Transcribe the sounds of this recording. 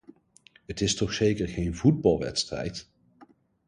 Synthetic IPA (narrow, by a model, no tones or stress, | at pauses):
ɦətɪstɔχsejkəɹχejnvud̚bɑlˠʋɛ̰tstrɛ̰jt